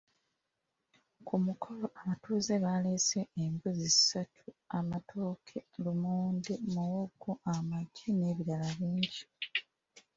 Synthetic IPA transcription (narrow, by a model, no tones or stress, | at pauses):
kʰumukʰo̞loʔamatuːze̞βale̞ːseːmbuziisatʰuamatʰo̞ːkʰe̞lumuːndemuwoɡoamaɟine̞βiɾalaβiːɲɟi